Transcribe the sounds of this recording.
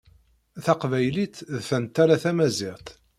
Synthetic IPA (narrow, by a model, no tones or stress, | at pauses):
θæqvæjlit̪ðθənt̪ːæɾaθæmæziʁt̪